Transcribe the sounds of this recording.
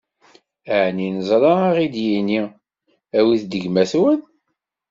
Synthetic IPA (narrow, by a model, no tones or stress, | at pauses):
æʕninəzˤɾˤɑʁid̪jini | æwiθd̪əɡmæθwən